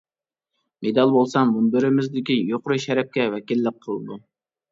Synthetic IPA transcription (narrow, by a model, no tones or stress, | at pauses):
med̪ɑlˠbolˠsɑŋmunbɪɾɪmɪzd̪ɪkʲijoqʊɾɨʃɛɾɛp̚kʲɛwɛkʲilːəqʰːəlˠɨd̪u